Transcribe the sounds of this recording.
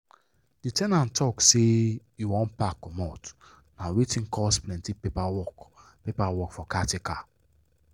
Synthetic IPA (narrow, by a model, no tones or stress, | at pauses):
d̥itɛnãntʰɔksejiwɔ̃npakːɔmɔt | nawetĩnkʰɔsplɛ̃ntipepawɔk | pepawɔkfɔkatekʰa